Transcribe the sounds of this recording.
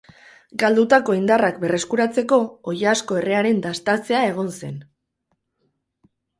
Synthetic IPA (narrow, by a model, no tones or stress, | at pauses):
ɡald̪ut̪ako̞ind̪arakbe̞re̞skuɾat͡se̞ko̞ojasko̞e̞re̞aɾe̞nd̪ast̪at͡se̞ae̞ɣ̞o̞nse̞̰n